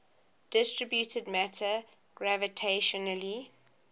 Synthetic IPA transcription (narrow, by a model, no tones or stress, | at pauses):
d̥ɪstɹəbjutʰədmætʰə | ɡ̥ɹævətʰeʃɔnəli